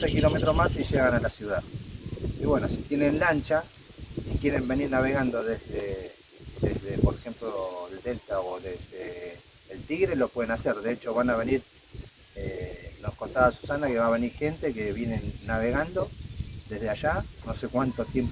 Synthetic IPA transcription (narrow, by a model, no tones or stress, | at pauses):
sekilo̞met̪ɾomasiʒeɣanalasjuðað | iβwe̞nosit̪jenẽnlant͡ʃa | ikje̞ɾembe̞niɾnaβe̞ɣand̪o̞ðezðe | ðezðepoɾexemploeld̪e̞lt̪aoðezðeː | lt̪iɣɾelo̞pwe̞ðenaseɾðeet͡ʃo̞βanaβ̞e̞niɾ | enohkont̪aðasu̥sanake̞βaːβe̞niɾxe̞nt̪e̞keβjenenːaβe̞ɣand̪o̞d̪e̞zðeaʒano̞sekwant̪ot̪jemp